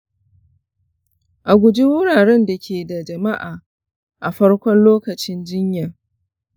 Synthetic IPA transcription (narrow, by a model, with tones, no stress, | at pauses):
ʔa˨ɡʷʊ˨d͡ʒi˦wʊ˦ɽaː˨ɽɛ˦nda˨kʲʰeː˨da˨d͡ʒɐ˨ma˦ʔaː˨ | ʔa˨ɸɐ˦ɽkʷɔ˦nloː˦kɐ˨t͡ʃɪ˦nd͡ʒɪ˦ɲja˨